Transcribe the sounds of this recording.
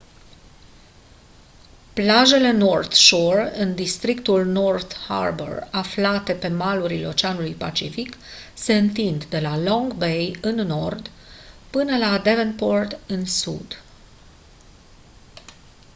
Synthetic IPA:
plaʒe̞le̞no̞rt̪ʃurɨnd̪ist̪ɾikt̪ulno̞rt̪ha̰rbḛraflat̪e̞pe̞maluɾileo̞t͡ʃeanulujpat͡ʃifikse̞ɨnt̪ind̪d̪e̞lalõ̞ŋɡbe̞jɨnːo̞rd̪ | pɨnəlad̪e̞venpord̪ɨnsṵd̪

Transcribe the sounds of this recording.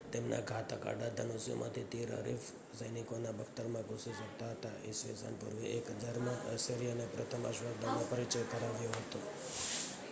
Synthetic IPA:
t̪emna̰ɡʱat̪aka̰ɖad̪ʱənosjo̰mʔã̰t̪ʰit̪iɾɦə̰ɾif | səjnikonabʱəkʰt̪əɾmãɡʱosiʃək̚t̪aɦət̪a̰ḛsʋḛsə̰npuɾʋḛʔekɦəd͡ʒaɾmãʔəsəɾijənepɾət̪ʰəma̰ʃʋəɡd̪amãpəɾit͡ʃəjkəɾaʋjõɦət̪o

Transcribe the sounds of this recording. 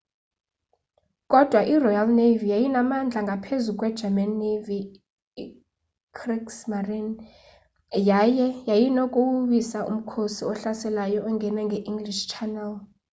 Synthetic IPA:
kʼɔd̥ʱwaʔirɔjalnevijajinamand͡ɮʱaŋɡʱapʰezukʼwɛd̥d͡ʒ̥ʱɛmanːevi | kʰriksmarin | jajɛjajinokʼuwuɓisaʔṵm̩kʰosiɔɬasɛlajɔʔɔŋɡʱɛnaŋɡʱɛʔiŋɡliʃt͡ʃʰanɛl

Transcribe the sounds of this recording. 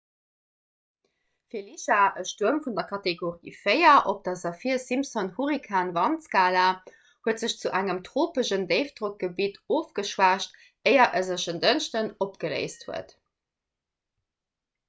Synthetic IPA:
fiːɐliʃaʔəʃtuəmfundɐkʰɑteɡoʁḭːfɜɪɐʔop̚d̥ɑzɑfiɐsimpsonhuʁikʰaːnvɑnskaːla | huətz̥əɕt͡suʔæŋəmtʁoːpəʃəndeɪfd̥ʁok̚ɡ̥əbitoːfɡ̥əʃwaːʃt | eɪɐʔəzəʃəndənʃtənopɡ̥ələ̰ɪsthuə̰t

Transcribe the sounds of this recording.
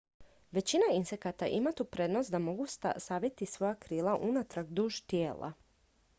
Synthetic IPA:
ʋe̞t͡ɕinainse̞kat̪aʔimat̪upɾe̞d̪nost̪d̪amo̞ɡust̪a̰saʋjet̪isʋo̞jakɾiːlˠaʔunat̪ɾaɡd̪uːʒt̪jeːlˠa̰

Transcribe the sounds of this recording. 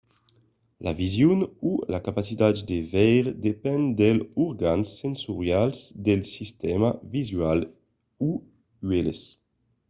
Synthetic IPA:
lʔa̰vizjunulakapasit̪atd̪evɛjʁd̪epɛnd̪ɛluɾɡansɛnsuʁjalzd̪ɛlsist̪ɛmavizɥal | u | ɥɛlḛs

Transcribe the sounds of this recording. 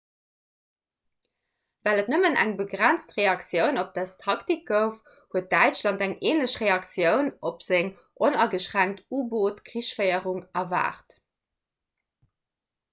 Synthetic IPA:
vælətnəmənæ̰ŋbəɡʁænt͡stʁeɑksjəʊnop̚d̥æstʰɑktik̚ɡ̥əʊf | huət̚d̥æɪt͡ʃlɑndæŋeːnləɕʁeɑksjəʊnopz̥eŋ | ʔonɐɡəʃʁæŋk̚tuːboːtkʁiʃfəɪəʁuŋɐva̰ːʁt

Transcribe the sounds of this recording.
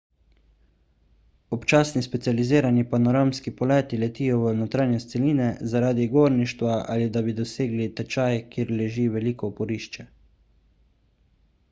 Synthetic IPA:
ɔpt͡ʃaːsnispɛt̪sializiːɾanipanɔɾamskipɔlɛːt̪ilɛt̪iːjɔʋənot̪ɾaːnjɛst̪sɛliːnɛzaɾaːd̪iɡoːɾniʃt̪ʋaa̰lid̪abid̪ɔseːɡlit̪ɛt͡ʃajkiːɾlɛʒiːʋɛliːkɔpɔɾiːʃt͡ʃɛ

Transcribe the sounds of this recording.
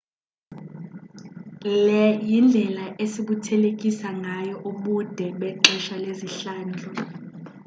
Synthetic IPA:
lɛjind͡ɮʱɛlaʔesiɓutʰɛlek̬ʼisaŋʱajɔʔuɓud̥ʱɛɓɛǁɛʃaleziɬaːnd͡ɮʱɔ

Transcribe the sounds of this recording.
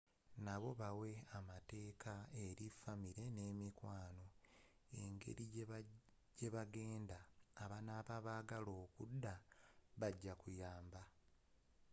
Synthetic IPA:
naβo̞βawe̞amate̞ːkʰae̞ɾifamiɾe̞ne̞ːmikwaːno̞e̞ŋɡe̞̰ɾi | ɟe̞βaɡe̞ːndaːβanaβaβaːɡalo̞ːkudːaβaɟːakujaːmba

